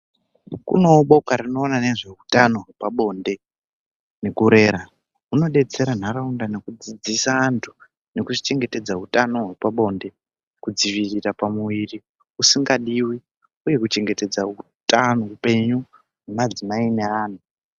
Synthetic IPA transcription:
kṵno̞ɓo̞kaɾino̞ːnane̞ʐe̞utano̞ɦwepaɓo̞nde̞ | ne̞kuɾe̞ːɾa | uno̞ɗe̞t͡se̞ɾan̤aɾaundane̞kud͡zid͡zisaːntʰu̥ | ne̞kut͡ʃit͡ʃe̞ŋɡe̞te̞d͡zaɦutano̞ɦwepaɓo̞ːnde̞ | kud͡ziʋirirapamuʋiri | usiŋɡaɗiwi | uje̞kut͡ʃe̞ŋɡe̞te̞d͡zau | tanoupe̞ɲu | nemad͡zimaine̞aːn̤u

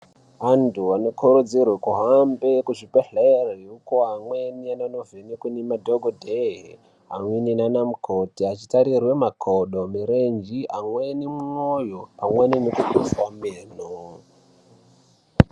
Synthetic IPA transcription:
antuano̞kʰuɾud͡zirwekuɦambekuʐipeɬeriukoɦamweniananovenikunimadʱoɡʱodʱeɦe | a̰mweninanamukʰotiat͡ʃitaɾirwe̞makʰoɗomiɾend͡ʒiʔamwenimuŋojoamweninokubʱiswameːno

